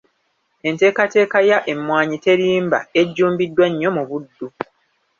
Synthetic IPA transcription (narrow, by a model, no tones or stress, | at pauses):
e̞nte̞ːkate̞ːkajaʔe̞mːwaːɲite̞ɾiːmba̰e̞ɟːuːmbidːwaɲːo̞muβudːu